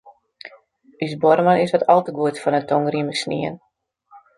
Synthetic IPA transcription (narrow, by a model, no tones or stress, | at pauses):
ysbɔɾəmanɪsʋɔtɔlˠtəɡuətfɔnətʰoŋɡriməksnḭən